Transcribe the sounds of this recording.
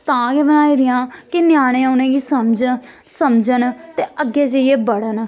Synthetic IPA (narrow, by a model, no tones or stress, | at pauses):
t̪ãːkeːbənaːiːd̪ɪjãːkɪnjaːɽ̃ẽːʊnẽːɡiːsəmd͡ʒ | səmd͡ʒənt̪eːəɡeːd͡ʒəieːbəɽən